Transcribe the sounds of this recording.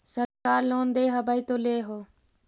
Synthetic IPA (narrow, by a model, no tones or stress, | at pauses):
səɾkaːɾloːnd̪eːɦəbʱaːiːt̪oːleːɦoː